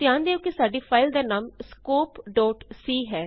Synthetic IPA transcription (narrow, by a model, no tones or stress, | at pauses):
t̪ɪjãːnd̪eːoːkɪsaːɖiːpʰaːɪld̪eːnaːmskoːpɖɔːʈsiːɦɛː